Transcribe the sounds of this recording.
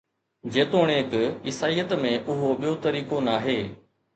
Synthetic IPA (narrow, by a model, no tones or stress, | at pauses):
d͡ʒeːt̪oːɽ̃eːkɪsaːiːət̪mẽʔʊɦoɓɪjot̪əɾiːkonaːɦeː